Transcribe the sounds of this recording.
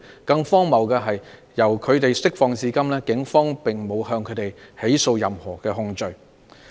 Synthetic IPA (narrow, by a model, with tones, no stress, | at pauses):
kɐ˧ŋfɔː˥ŋmɐ˨˩wkɛː˧ɦɐ˨j | jɐ˨˩wkʰɵ˨˧ɥt̪e˨jsɪ˥k̚fɔː˧ŋt͡siː˧kɐ˥mlɛː˥kɪ˨˥ŋfɔː˥ŋpɪ˨ŋmo˨˧whœː˧ŋkʰɵ˨˧t̪e˨jhe˨˥jso˧wjɐ˨mhɔː˨˩kɛː˧ɦʊ˧ŋt͡ʃɵ˧ɥ